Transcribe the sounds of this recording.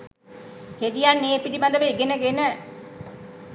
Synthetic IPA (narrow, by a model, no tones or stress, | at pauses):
hed̪ijanːeːpilibad̪əʋeɡenəɡenə